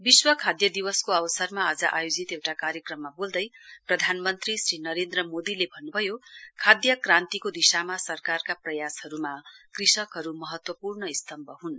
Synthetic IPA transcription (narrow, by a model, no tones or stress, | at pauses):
biswʌkʰad̪jʌd̪ibʌskoʌbʌsʌrmaːd͡zʌʔajod͡zit̪ewʈakaɾjʌkrʌmːabold̪ʌjprʌd̪ʱanmʌnt̪risrinʌɾend̪rʌmod̪ilebʱʌnːubʱʌjokʰad̪jʌkrant̪ikod̪isamasʌrkarkaprʌjashʌɾumakrisʌkɦʌɾumʌɦʌt̪wʌpurnʌist̪ʌmbʱʌɦun